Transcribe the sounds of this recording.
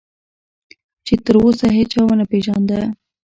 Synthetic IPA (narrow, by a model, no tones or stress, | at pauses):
t͡ʃet̪əɾosaɦet͡ʃawanapeʒɑnd̪a